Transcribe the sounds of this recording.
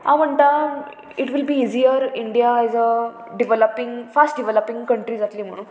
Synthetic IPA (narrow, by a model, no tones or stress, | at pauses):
ɦãm̤əɳt̪a | iʈʋilbiːiziəɾiɳɖijaɛzə | ɖiʋeləpĩŋɡfasʈ̚ɖiʋeləpĩŋɡkəɳʈɾiːd͡zat̪liːm̤əɽ̃ũːn